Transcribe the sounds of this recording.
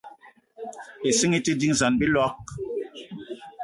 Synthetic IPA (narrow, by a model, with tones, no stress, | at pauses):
e˨si˦ŋi˦ti˦di˦ŋza˨nbi˦lɔ˦k̚